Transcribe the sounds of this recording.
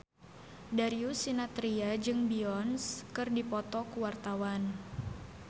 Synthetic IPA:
daɾiusinat̪ɾiad͡ʒɨŋbiɔnskɨrdipɔt̪ɔkuwart̪awan

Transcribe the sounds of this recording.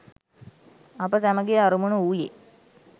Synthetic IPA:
apəsæməɡejaɾumunuuːje

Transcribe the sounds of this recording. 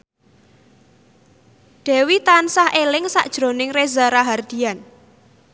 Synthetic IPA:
ɖ̥ɛ̤wit̪ansahelɪŋsa̰ʔd̥ʒ̥ɾo̤nɪŋrezaɾaɦard̪̥i̤an

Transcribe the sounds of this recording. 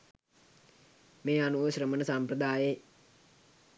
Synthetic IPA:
meːanuʋəɕɾəmənəsampɾəd̪aːje

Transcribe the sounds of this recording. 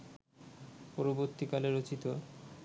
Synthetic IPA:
poɾoboɾt̪ikaleɾot͡ɕit̪o

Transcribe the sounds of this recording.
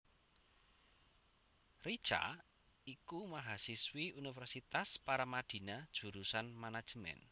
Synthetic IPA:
rid̥t͡ʃa̰ | ikumaɦasiswiunifɛrsit̪aspaɾamad̪̥i̤nad̥ʒ̥ṳɾusanmanad̥ʒ̥əmɛ̰n

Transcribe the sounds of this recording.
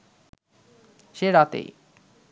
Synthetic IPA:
ʃeɾat̪ḛj

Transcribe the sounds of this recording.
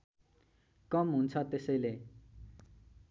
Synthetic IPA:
kʌmɦunt͡sʰʌt̪esʌjle

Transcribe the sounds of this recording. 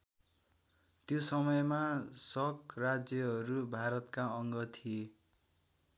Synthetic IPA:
t̪josʌmʌjmasʌkrad͡zjʌɦʌɾubʱaɾʌt̪kaʌŋɡʌt̪ʰie

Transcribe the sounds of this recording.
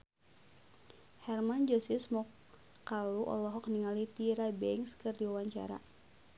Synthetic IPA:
hɛrmand͡ʒɔsɪsmɔkː | aluʔɔ̰lɔɦɔk̚niŋalit̪iɾabɛŋskɨrdiwawaɲt͡ʃa̰ɾa̰

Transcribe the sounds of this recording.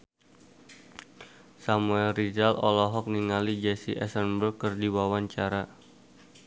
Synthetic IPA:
samuɛlrid͡ʒalɔlɔɦɔk̚niŋalid͡ʒɛsiʔɛ̰sənbərkɨrdiwawaɲt͡ʃaɾa

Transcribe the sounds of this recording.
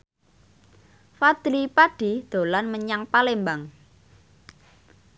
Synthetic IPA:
fad̪̥ɾipaɖ̥id̪̥o̤lanməɲaŋpalembaŋ

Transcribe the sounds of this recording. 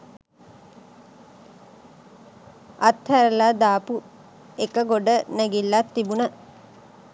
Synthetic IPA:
at̪hæɾəlaːd̪aːpu | ekəɡoɖənæɡilːat̪ːibunə

